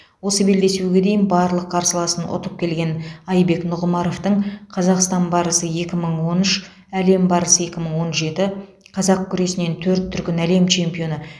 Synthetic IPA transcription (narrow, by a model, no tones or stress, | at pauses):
wo̞səbe̞ld̪e̞suɡʲe̞d̪e̞jɪnbɑɾlˠəqʰːɑɾsəlˠɑsənʔo̰t̪əp̚kʲʰe̞lɡʲe̞nɑjbe̞knʊʁmɑɾo̞ft̪əɴqʰɑzɑqst̪ɑnbɑɾəsəje̞kʲɪməɴwo̞nʏʃ | æle̞mbɑɾəsəe̞kʲɪməɴwo̞nʒe̞t̪ɪ | qʰɑzɑq̚kʲʰʏɾe̞sɪne̞nt̪ʰɵɾt̪ʰːʏɾkʲɪnæle̞mt͡ʃʰe̞mpijo̞nə